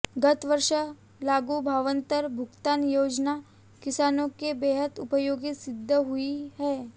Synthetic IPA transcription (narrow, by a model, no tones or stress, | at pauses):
ɡɐt̪ʋəɾʃə | laːɡubʱaːʋə̃nt̪əɾbʱʊɡt̪aːnjoːd͡ʒna | kɪsaːnõkebeːɦət̪ʊpəjoːɡisɪd̪ʱːəɦʊiɦɛː